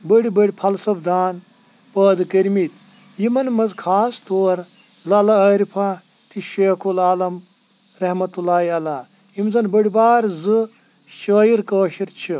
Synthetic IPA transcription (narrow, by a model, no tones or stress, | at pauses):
bəɽibɐɽʲipʰɐlsɐbd̪ʱaːn | pəːd̪kɐɾmit̪ | jimɐnmɐzkʰaːst̪oːɾ | lɐlɐɐɾipʰa | t̪ʰiʃeːkʰulaːlɐm | ɾɐhmɐt̪ulaːiɐlaː | imzɐnbɐɽʲibaːɾzɨ | ʃəːjiɾkəːʃiɾt͡ʃʰi